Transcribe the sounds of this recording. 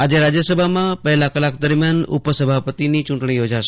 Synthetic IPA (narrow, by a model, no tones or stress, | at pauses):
ad͡ʒeɾad͡ʒjəsəbʱamãpɛɦlãkəlak̚d̪əɾmjanʊ̰pəsəbʱapət̪init͡ʃʊ̃ɳʈɳ̃ijod͡ʒaʃ